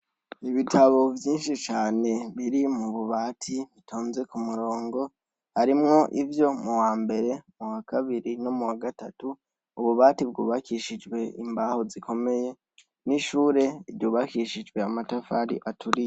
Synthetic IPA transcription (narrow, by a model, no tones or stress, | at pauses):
iβitʰaβo̞vjiːnʃit͡ʃaːne̞βiɾimuβuβatʰiβitʰoːnze̞kumuɾo̞ːŋɡo̞ | haɾimŋo̞ʔivjo̞muwaːmbe̞ɾe̞muwakaβiɾino̞muwaɡatatuː | βuβaːtibɡṵːβakiʃid͡ʒwe̞ḭmbaho̞zikʰo̞me̞je̞ | niʃuːɾe̞ivjuːβakiʃid͡ʒɡwe̞amatafaːɾḭʔatʰuɾije